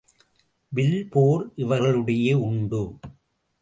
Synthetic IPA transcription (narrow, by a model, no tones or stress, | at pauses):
ʋɪlpoːɾʔɪʋɐɾɣɐɭɯɽɐjeːʊɳɖɯ